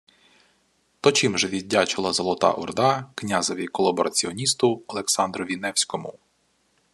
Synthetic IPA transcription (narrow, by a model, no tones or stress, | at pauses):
t̪ɔt͡ʃimʒɛʋʲidʲːat͡ʃɪlˠɐzɔlˠɔt̪ɑ̰ʔɔ̰rd̪ɑknʲazɔʋʲikɔlˠɐbɔɾʔɐt͡sʲiɔnʲist̪ʊɔlˠeksɑnd̪ɾɔʋʲinɛwsʲkɔmʊ